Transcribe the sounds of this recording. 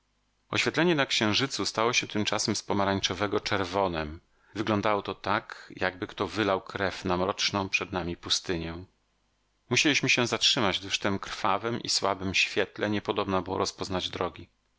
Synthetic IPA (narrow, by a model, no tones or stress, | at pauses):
ɔɕfʲɛt̪lɛɲɛnakɕɛ̃w̃ʐɘt̪sust̪awɔɕɛt̪ɘmt͡ʂasɛmspɔmaɾaɲt͡ʂɔvɛɡɔt͡ʂɛɾvɔnɛm | vɘɡlɔnd̪awɔt̪ɔt̪akjaɡ̚bɘkt̪ɔvɘlawkɾɛfnamɾɔt͡ʂnɔ̃w̃pʂɛd̪namʲipust̪ɘɲɛ̃ | muɕɛlʲiɕmɘɕɛzatʂɘmad͡ʑvɘʂt̪ɛmkɾ̥fa̰vɛmʔḭswabɘmɕfʲjɛt̪lɛɲɛpɔd̪ɔbnabɘwɔ̰ɾɔspɔznad͡ʑd̪ɾɔɡʲi